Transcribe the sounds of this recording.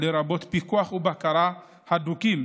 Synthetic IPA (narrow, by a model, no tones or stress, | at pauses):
leɾabot̪pikuaχubakaɾa | hadukim